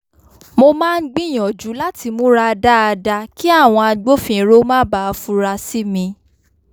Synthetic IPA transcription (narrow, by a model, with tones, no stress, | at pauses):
mo˧mãː˦˧n̩˦ɡ͡bĩ˦˨j̃ɔ̃˨d͡ʒu˨˦la˦ti˧mũ˦ɾa˧da˦a˧da˧ki˦a˦˨w̃ɔ̃˧a˧ɡ͡bo˦fĩ˧˨˦ɾo˦mã˦ba˦˧fu˦ɾa˧si˦mĩ˧